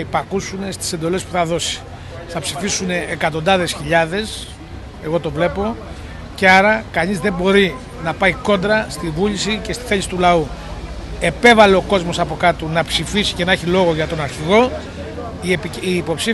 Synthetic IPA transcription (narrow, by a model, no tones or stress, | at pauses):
ipɐkusune̞st̪i̥se̞nd̪o̞le̞spu̥θɐðo̞si̥ | θɐpsifisune̞ːkɐt̪o̞nd̪ɐðe̞sçiʎɐðe̞s | e̞ɣo̞t̪o̞vle̞po̞ | ce̞ɐɾɐkɐnizðe̞mbo̞ɾi | nɐpɐiko̞nd̪ɾɐst̪ivuʎisice̞st̪i̥θe̞lisi̥t̪ulɐu | e̞pe̞vɐle̞o̞ko̞zmo̞sɐpo̞kɐt̪unɐpsifisi̥ce̞nɐeçilo̞ɣo̞ʝɐt̪o̞nɐɾçiɣo̞ | piːpo̞psi